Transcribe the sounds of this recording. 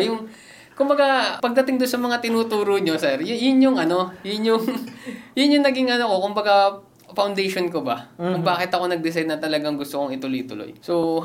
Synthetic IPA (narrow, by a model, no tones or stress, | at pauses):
jʊŋ | kʊmbɐɡapɐɡ̚d̪ɐt̪ɪŋd̪onsɐmɐŋat̪ɪnuːt̪uːɾoɲo̞sɛɾjʊjʊnɲʊŋʔɐno̞jʊnɲʊŋjʊnjʊŋnɐɡɪŋʔɐnoko̞kʊmbɐɡa | fɐwnd̪ejʃonkobɐ̰kʊŋbaːkɪt̪ɐko̞nɐɡ̚d̪ɪs̬ajd̪ɐt̪ɐlɐɡaŋɡʊst̪okoŋɪt̪ʊlojt̪ʊlo̰jso